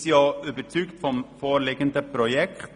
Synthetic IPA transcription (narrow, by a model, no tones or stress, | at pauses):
sɪɑːʉbət̪ʰyːɡt̪fɔmfoːlɪɡənd̪əpʰɾʊjɛkt̪